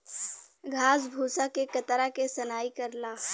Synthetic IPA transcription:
ɡʱaːs̬bʱuːsakekɐt̪ɾakesɐnaːikɐɾlaː

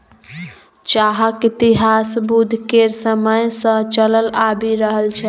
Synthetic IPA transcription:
t͡ʃaɦəkit̪iɦasbud̪ʱkeɾsəməjsə̃t͡ʃələlabiɾəɦəlt͡ʃʰɛ

